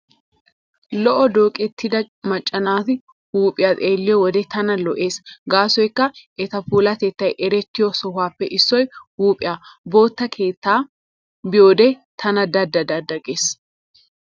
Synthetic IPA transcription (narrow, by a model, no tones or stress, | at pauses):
lɔʔɔd̪o̞ːkʼɛt̪ʰːɪd̪ɐ | mɐt͡ʃʼːɐnaːt̪ɪ | huːpʼɪjat̪ʼeːlːɪjɔwɔd̪ɛt̪ɐnɐlɔʔe̞ːsɡaːsɔjkːɐʔɛt̪ɐpuːlɐt̪ɛt̪ːɐjʔɛɾɛt̪ːɪjɔsɔhaːpːɛʔɪsːɔjhuːpʼɪjaːbo̞ːt̪ːɐkʰe̞ːt̪ːaː | bɪjo̞ːd̪ɛt̪ʰɐnɐd̪ɐd̪ːɐd̪ɐd̪ɐɡeːs